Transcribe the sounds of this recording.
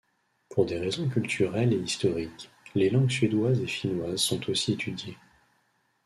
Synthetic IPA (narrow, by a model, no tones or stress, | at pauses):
pʰuʁd̪eʁezɔ̃kʲylt̪ʰyʁɛleist̪ɔʁik | lelɑ̃ɡsɥed̪wazeʃinwazsɔ̃t̪ʰosiet̪ʰyd̪je